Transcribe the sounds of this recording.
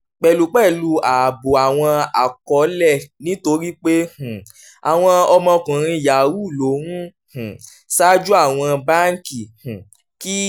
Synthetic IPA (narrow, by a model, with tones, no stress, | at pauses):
k͡pɛ˨lu˨˦k͡pɛ˦˨lu˧a˨bo˨a˨w̃ɔ̃˧a̰˨kɔ˨˦lɛ˦˨nĩ˦to˧˦ɾi˦k͡pe˦h̩˨ | a˨w̃ɔ̃˧ɔ˧mɔ̃˧kũ˨ɾ̃ĩ˧ja˨wu˦˨lo˨˦nũ˦ | h̩˨ | sa˦d͡ʒu˦a˦˨w̃ɔ̃˧ba˦ŋ̩˨ki˨h̩˨ | ki˦